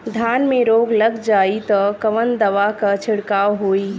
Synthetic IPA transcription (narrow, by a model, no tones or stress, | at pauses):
d̪ʱaːnmẽɾoːɡlɐɡd͡ʒaːit̪ɔkɐʋənd̪ɐʋakat͡ʃʰɪɽkaːwɦoːiː